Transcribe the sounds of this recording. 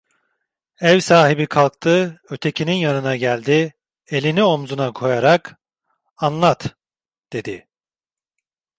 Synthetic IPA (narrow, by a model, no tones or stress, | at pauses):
ɛvsaːɦibikʰalˠk̚t̪ʰɯø̞t̪ʰe̞cʰininjanɯnaɟælʲd̪i | e̞lʲinio̞mzunakʰo̞jaɾak | anlˠat̪ | d̪̥e̞d̪ɪ